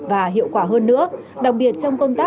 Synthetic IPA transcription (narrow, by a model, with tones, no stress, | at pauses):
vaː˨˩ɦḭ˧˨əwkwaː˧˩ɦəː˧nːɨ̰˧˥əɗa˨˩k̚ɓi˨˩ət̚t͡ɕɔ˧wŋ͡mkə˧wŋ͡mt̪aː˦˥